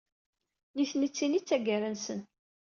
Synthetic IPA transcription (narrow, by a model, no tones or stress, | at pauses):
niθnit͡sːinit͡sːæɡæɾənsən